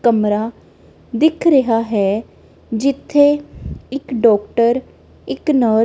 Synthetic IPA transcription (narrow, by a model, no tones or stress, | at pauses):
kəmɾaː | d̪ɪkʰɾəɦaːɦɛː | d͡ʒɪt̪ʰːeːɪkɖɔːkʈəɾ | ɪknəː